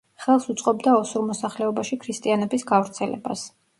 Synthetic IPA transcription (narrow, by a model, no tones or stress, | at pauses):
χɛlˠsut̪sʼqʼɔbd̪aɔsuɾmɔsaχlɛɔbaʃikʰɾist̪ʼianɛbisɡavɾt̪sʰɛlɛ̰ba̰s